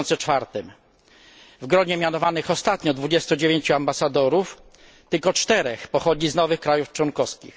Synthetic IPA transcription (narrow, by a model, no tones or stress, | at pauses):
nt̪sɛt͡ʂfaɾt̪ɘm | vɡɾɔɲɛmʲjanɔvanɘxɔst̪at̪ɲɔd̪vud͡ʑɛst̪ud͡ʑevʲjeɲt͡ɕuambasad̪ɔɾuf | t̪ɘlkɔt͡ʂt̪ɛɾɛxpɔxɔd͡ʑiznɔvɘxkɾajuft͡ʂwɔnkɔfskʲḭx